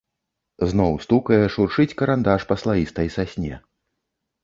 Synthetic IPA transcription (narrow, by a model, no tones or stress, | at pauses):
znɔwst̪ukɐjɛʂurʂɨt͡sʲkɐɾand̪aʂpɐslˠajist̪ɐjsasʲnʲɛ